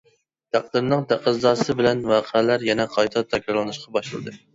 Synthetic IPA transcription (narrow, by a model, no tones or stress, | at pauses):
t̪ʰæq̚d̪ɨɾnɨŋt̪ʰæqəzd̪ɑːsɨbɪlɛnwɑːqʰəlæɾjɛnɛqʰɑjt̪ʰɑt̪ʰɛkʲɾɑɾlˠɨnɨʃqʰɑbɑʃlɨlˠɨ̰d̪ɨ